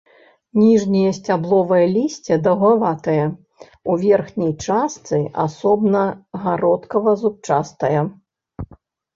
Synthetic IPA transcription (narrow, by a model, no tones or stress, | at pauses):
nʲiʐnʲijɐsʲt͡sʲablˠɔvɐjɐlʲisʲt͡sʲɛd̪ɐɣavat̪ɐjɐ | uvʲɛrxnʲijt͡ʂast̪sɨʔa̰sɔbnɐɣaɾɔt̪kɐvɐzup̚t͡ʂast̪ɐjɐ